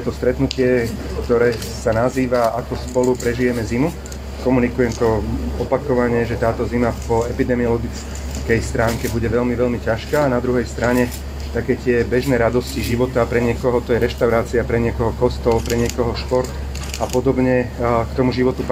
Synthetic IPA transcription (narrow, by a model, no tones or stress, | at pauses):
t̪ɔst̪ɾɛt̪nucɪɛ | kt̪ɔɾɛː | sanaziːʋaakɔspɔlupɾɛʒijɛmɛzimu | kɔmunikujɛmt̪ɔɔpakɔʋaɲɛʒɛt̪aːt̪ɔzimapɔɛpid̪ɛmiɔlɔɡit͡s | kɛjst̪ɾaːŋkɛbuɟɛʋɛʎmiʋɛʎmicaʃkaːnad̪ɾuɦɛjst̪ɾaɲɛ | t̪akɛːt̪ɪɛbɛʒnɛːɾad̪ɔsciʒiʋɔt̪apɾɛɲɪɛkɔɦɔt̪ɔjɛɾɛʃt̪aʊɾaːt͡siapɾɛɲɪɛkɔɦɔkɔst̪ɔlpɾɛɲɪɛkɔɦɔʃpɔɾt̪ | apɔd̪ɔbɲɛkt̪ɔmuʒiʋɔt̪up